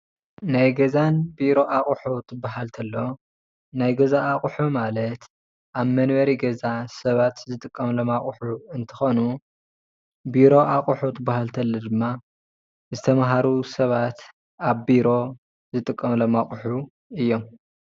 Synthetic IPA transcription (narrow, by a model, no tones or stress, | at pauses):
najɡɐzanbiɾo̞ʔaχʼħut̪ʰɨbːaɦalt̪ʰɐlːo̞ | najɡɐzaːχʼħumalɐt̪ | ʔaβmɐnβɐɾiɡɐzasɐβat̪zɨt̪ʼɨkʼːɐmlomaχʼħuɨnt̪ʰɐ̥xonu | biɾo̞ʔaχʼuħut̪ʰɨbːahalt̪ʰɐlːɐd̪ɨmːa | zɨt̪ʰɐmɦaɾusɐβat̪ | aβbiɾo̞ | zɨt̪ʼɨkʼːɐmlomaχʼħu | ɨjːo̞m